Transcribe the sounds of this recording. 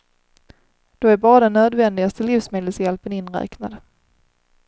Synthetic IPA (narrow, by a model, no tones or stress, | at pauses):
d̪̥oæɾbɑːɾad̪ɛnːøːd̪vɛnd̪ɪɡast̪əliːfsmeːd̪əlsjɛlpənɪnːɾɛ̰ːkna̰d̪